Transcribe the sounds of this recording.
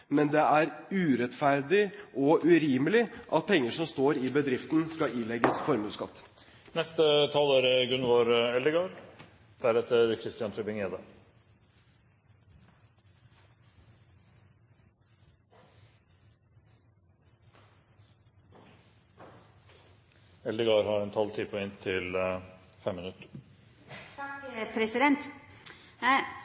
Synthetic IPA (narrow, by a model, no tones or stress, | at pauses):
mɛnd̪ɛæɾʉːɾɛt̪fæɾd̪ɪʔɔʔʉɾiːməlɪʔɑt̪̚pʰɛŋːəʂɔmst̪oːɾɪbəd̪ɾɪft̪nskɑɪnlɛɡəsfɔɾmʉːskɑ̰t̪ː | nɛst̪ət̪ʰɑlæɾɡʉnʋoɾɛləɡɑɾ | d̪̥æɾɛt̪əɾkʰɾɪst̪ɪɑnt̪ʰɾʉpɪŋeːd̪ə | ɛld̪əɡɑːɾhɑɾɛnt̪ʰɑlt̪ʰiːpʰɔɛnt̪ʰːɪlfɛmːɪnʉt̪ːə̥ɾ | pʰɾɛsɪd̪ɛnt̪ | æ